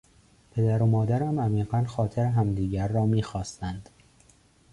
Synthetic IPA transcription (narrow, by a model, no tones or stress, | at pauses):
pʰe̞d̪æɾomɒːd̪æɾæmæmiːɢænxɒːt̪ʰeɾeɦæmd̪iːɟæɾːɒːmiːxɒːst̪ænd̪̥